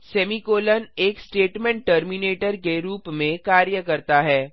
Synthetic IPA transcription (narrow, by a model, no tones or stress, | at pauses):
sɛːmikoːləneːksʈeːʈmɛ̃ɳʈːəɾmineːʈəɾkeɾuːpmẽkaːɾjəkɐɾt̪aɦɛː